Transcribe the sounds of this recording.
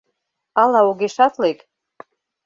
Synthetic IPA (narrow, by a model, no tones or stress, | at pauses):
ɑlɑoɣeʃɑt̪lek